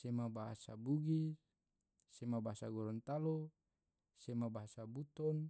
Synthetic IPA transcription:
semabaɦa̰sa̰buɡi | semabaɦasaɡɔɾɔnt̪alo | semabaɦasabut̪ɔn

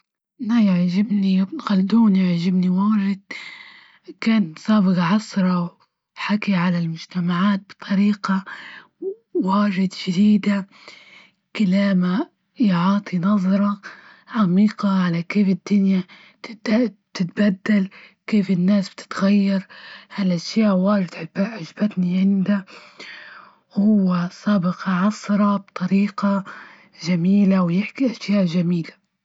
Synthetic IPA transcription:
najaʕʒɪbnixald̪uːnjɪʕʒɪbniwaːʒɪd̪̥̚ | kaːnsɑːbɨɣɑʕɑsɾˤɑw | ħakiʕalalmʊd͡ʒt̪amaʕaːt̪̚bɨ̥t̪ˤʰɑɾiːqa | waːʒɪd̪ʃɪd̪iːd̪a | kalaːma | jʕɑːt̪ˤʰinɑðˤɾˤɑ | ʕamiːqɑʕalakeːfɪd̪ːʊnja | t̪t̪ɪt̪bad̪ːal | keːfɪnːaːsb̥̚t̪ɪ̥t̪ɣajːɑɾˤhalʔaʃjaːʔwaːd͡ʒɪd̪ʕɪbaʕʊd͡ʒbat̪niʕɪnd̪a | whʊwːasɑːbɪqɑʕɑsɾˤɑbt̪ˤɑɾiːqɑ | ʒamiːlawjɪħkiʔaʃjaːʔʒamiːla

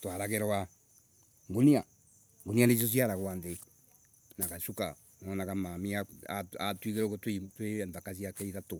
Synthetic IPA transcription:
twaɾakɛɾɔa | ŋɡunia | ŋɡunianes̬os̬iaɾakoande | nakaʃuka | nɔnakamamiaaatwikeɾɔkotitweandakas̬iakɛiðato

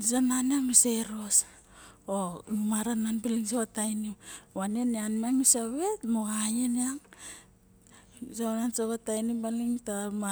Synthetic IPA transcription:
isananamiseɾos | omaɾananbiliŋsokatajniwaneneanmiaŋisaβe̞tmoɡajeneaŋ | sonansokatajnibaliŋtama

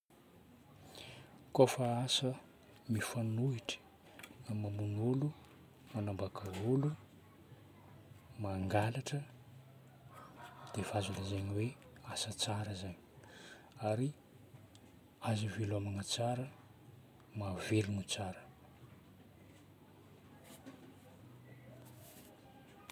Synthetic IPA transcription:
kofaasə | mifanuiʈ͡ʂə̥ | mamunulu | manambakʰaolu | maŋɡalaʈ͡ʂə | d̪̥evazanəzaɲiwe | asət͡saɾəzaɲi̥ | aɾi | azivelamanət͡saɾə | mavelunut͡saɾə̥

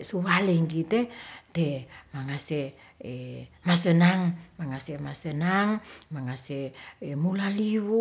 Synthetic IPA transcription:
suwaliŋkit̪et̪emaŋase | emasənaŋmaŋasemasənaŋmaŋaseemulaliwu

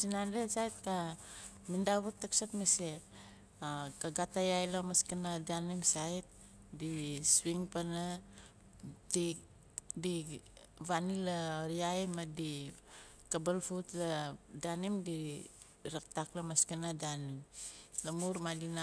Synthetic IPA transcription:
sinandesajt̚ka | mindaβutːaksatmesek | akaɡatajajlamaskanadanimsajt̚ | diswiŋpana | di | di | βanilaɾiajmadi | kabalfutladanimdi | ɾak̚taklamaskanadanimlamuɾmadina

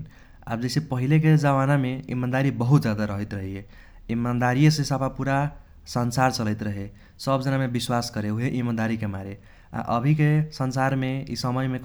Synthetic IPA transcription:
a̰bd͡ʒesepəɦilek̬ed͡ʒəβanameḭmand̪aɾibəɦut̪d͡ʒad̪aɾəɦət̪ɾəɦie | imand̪aɾijesẽsapapuɾa | sənsaɾt͡ʃələɪt̪ɾəɦe | səbd͡ʒənamebiswaskəɾeuɦeʔimand̪aɾikemaɾe | a̰ʔəbʱikesənsaɾmeḭsəməjmek

